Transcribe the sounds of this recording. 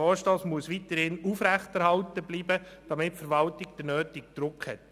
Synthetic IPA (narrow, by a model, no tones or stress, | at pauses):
ɔːʃtɑːsmuəsʋit̪əɾhɪnufɾɛχtɛɾhɑltəbliːbəd̥ɑmɪtfəɾʋɑltɪɡ̚d̥ənøːtɪk̚d̥̪ɾʊkhɛt